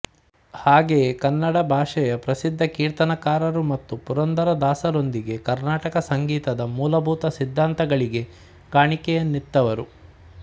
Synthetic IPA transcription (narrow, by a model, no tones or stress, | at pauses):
haːɡeːkɐnːɐɽɐbʱaːʂɐjɐpɾɐsid̪ʱːɐkiːɾt̪ɐnɐkaːɾɐɾumɐt̪ːupuɾɐnd̪ɐɾɐd̪aːsɐɾo̞nd̪iɡe̞kɐɾnaːʈɐkɐsɐŋɡiːt̪ɐd̪ɐmuːlɐbʱuːt̪ɐsid̪ʱːaːnt̪ɐɡɐɭiɡe̞ | kaːɳikɛjɐnːit̪ːɐʋɐɾu